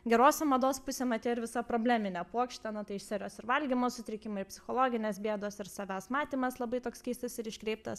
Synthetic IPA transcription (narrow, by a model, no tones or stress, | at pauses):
ɡʲɛɾoːsʲɛmɐd̪oːspʊsʲemɐt̪ʲeːɪɾʋʲɪsɐpɾoːbʲlʲæːmʲɪnʲɛpuɔkʃʲt̪ʲɛnʊt̪ɐɪɪʃʲsʲɛɾʲoːsɪɾʋɐlʲɡʲɪmoːsʊt̪ʲɾʲɪkʲɪmɐɪpʲsʲɪ̥xoːlˠoːɡʲɪnʲeːsbʲiɛd̪oːsɪɾsɐʋʲæːsmɑːt̪ʲiːmɐslˠɐbɐɪt̪oːkskʲɛɪst̪ɐsɪɾɪʃʲkɾʲɛɪp̚t̪ɐs